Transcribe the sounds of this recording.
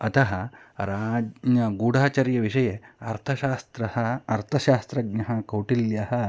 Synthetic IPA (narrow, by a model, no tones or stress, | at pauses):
ɐt̪ʰɐɦɐɾaːd͡ʒɐɡuːɽʱaːt͡ʃɐɾjɐʋiʂɐjeɐɾt̪ʰɐʃaːst̪ɾɐhɐɐɾt̪ʰɐʃaːst̪ɾɐɡɲɐɦɐkɐwʈiljɐɦɐ